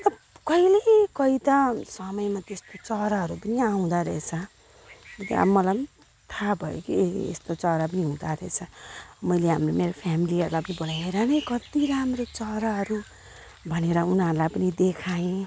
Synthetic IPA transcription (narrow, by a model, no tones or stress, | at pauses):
t̪ʌ | kʌilekʌit̪ʌsʌmʌjmat̪est̪ot͡sʌɾaɦʌɾupʌniaũd̪aɾʌet͡sʰʌ | ʌt̪a̰mʌla | t̪ʰabʱʌjokiḛst̪ot͡sʌɾap̬ʌniɦũd̪aɾʌet͡sʰʌmʌjleɦamromeɾopʰjamiliʌɾulajpʌnibolajeɾanʌjkʌt̪iɾamrot͡sʌɾaɦʌɾu | bʱʌneɾʌunʌɾulajpʌnid̪ekʰajẽ